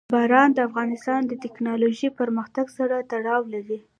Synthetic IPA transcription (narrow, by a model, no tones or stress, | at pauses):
bɑɾɑnd̪əafɣɑnɪst̪ɑnd̪ət̪ɪknɑloʒipəɾməxt̪aɡsaɾat̪aɽɑwlaɾi